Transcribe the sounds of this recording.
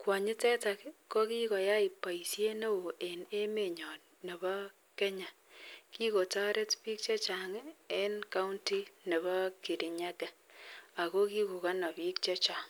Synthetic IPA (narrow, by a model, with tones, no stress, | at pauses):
kwa˨ɲɪ˦tɛ˦ta˨kkːɔ˦ki˦kɔ˨ja˦i˨pːa˨i˨sje˦ne˦o˨e˨ne˦me˨ɲɔ˨t | ne˨b | kɛ˦ɲa˨ | ki˦ko˨ta˦ɾe˦tpiː˦k̚t͡ʃe˦t͡ʃa˨ŋe˦nka˦u˦nti˦ne˨βɔ˦ki˨ɾi˨ɲa˦kɛ˨a˨ko˦ki˦ku˨ka˦nɔ˨pi˦k̚t͡ʃe˦t͡ʃa˨ŋ